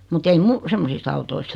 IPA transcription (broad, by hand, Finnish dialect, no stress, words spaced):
mut ei mu semːosist ɑutoist